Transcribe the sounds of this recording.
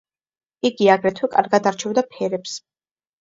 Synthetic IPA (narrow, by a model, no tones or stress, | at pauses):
iɡiaɡɾɛt̪ʰwɛkʼa̰ɾɡad̪aɾt͡ʃʰɛvd̪apʰɛɾɛps